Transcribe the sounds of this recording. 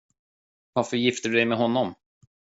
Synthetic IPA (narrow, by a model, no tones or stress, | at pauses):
vaɾfœɾjɪft̪əd̪ɵd̪ɛjmɛɦɔnːɔm